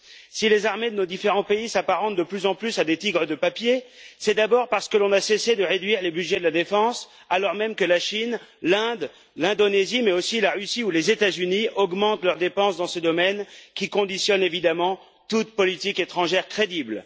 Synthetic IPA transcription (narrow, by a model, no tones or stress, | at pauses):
silezaʁmed̪ənod̪ifeʁɑ̃peisapaʁɑ̃t̪̚d̪əplyzɑ̃plysad̪et̪iɡʁəd̪əpapjesɛd̪abɔʁpaʁsə̥kəlɔ̃nasesed̪əʁed̪ɥiʁlebyʒɛd̪əlad̪efɑ̃s | alɔʁmɛmkəlaʃinlɛ̃d̪ | lɛ̃d̪onezimɛosilaʁysiulezet̪azyniʔɔɡmɑ̃t̪lœʁd̪epɑ̃sd̪ɑ̃səd̪ɔmɛnkʲikɔ̃d̪isjɔnevid̪amɑ̃ | t̪ut̪pɔlit̪iket̪χɑ̃ʒɛʁkχed̪ibl